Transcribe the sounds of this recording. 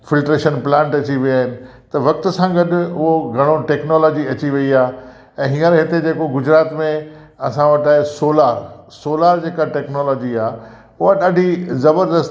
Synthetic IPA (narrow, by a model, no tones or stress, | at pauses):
fɪlʈɾeːʃənplãːɳʈɐt͡ɕiʋiaːɦɪnɪ̆ | t̪ɐʋɐk̚t̪ʊ̆sãɡɐɗʊɦoɡʱɐɽ̃oʈɛːknoːlɔːd͡ʑiɐt͡ɕiʋɐiaː | ɛ̃ːɦiːə̃ɾɦɪt̪ed͡ʑeːkoɡʊd͡ʑɾaːt̪mẽ | ɐsãʋɐʈaːesoːlaːɾsoːlaːɾd͡ʑeːkaʈɛːknoːlɔːd͡ʑiaː | ʊɦaɗaːɖʱizɐbəɾd̪əst̪